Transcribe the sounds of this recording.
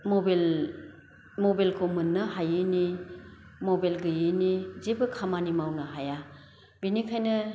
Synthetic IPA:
mɔbel | mɔbelkʰomɯnːɐɦajɯni | mɔbelɡɯjɯnizebɯkʰamanimawnɐɦaja | binikʰajnɯ

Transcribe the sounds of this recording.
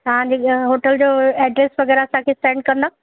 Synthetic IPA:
t̪ɐʋ̤ãd͡ʑeɦoːʈəld͡ʑoːɛːɖɾeːsʋɐɣɛːɾɐsãkʰeːsʈẽːɳɖ̚kɐ̃nd̪aː

